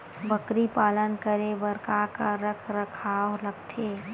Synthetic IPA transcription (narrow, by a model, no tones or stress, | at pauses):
bəkɾipaːlənkəɾebəɾkakaɾəkʰɾɐkʰaɔːɾlɐɡ̚t̪ʰeː